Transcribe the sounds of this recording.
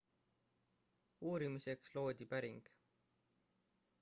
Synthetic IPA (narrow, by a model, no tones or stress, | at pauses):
uːɾimise̞kslo̞ːd̪̥ʲipæɾiŋɡ̥